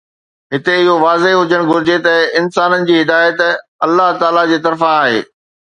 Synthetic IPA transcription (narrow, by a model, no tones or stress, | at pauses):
ɦɪt̪eɪɦoʋaːzeɦʊd͡ʑəɽ̃ɡʱʊɾɪd͡ʑet̪ɐɪnsaːnənɪ̆d͡ʑiːɦɪd̪aːjət̪ɐlːaɦt̪aːlad͡ʑeːt̪ɐɾfãaːɦḛː